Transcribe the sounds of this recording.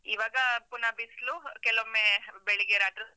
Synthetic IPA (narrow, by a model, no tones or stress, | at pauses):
iʋaːɡɐpunabislukɛlomebeɭiɡeɾaːʈɾɐ